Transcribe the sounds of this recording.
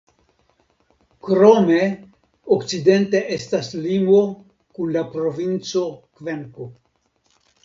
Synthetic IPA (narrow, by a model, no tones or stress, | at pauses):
kɾome | okt͡side̞nte̞ʔestaslimo̞ | kunlapɾo̞vint͡so̞kveŋko